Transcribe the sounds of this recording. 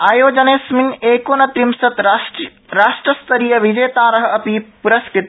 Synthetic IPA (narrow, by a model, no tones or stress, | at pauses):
aːjoːd͡ʒɐneːsmineːkoːnɐt̪ɾimsɐt̪ | ɾaːʂʈɾɐst̪ʰɐɾijɐʋid͡ʒɐːt̪aːɾɐɦɐ̆ɐpipuɾɐskɾit̪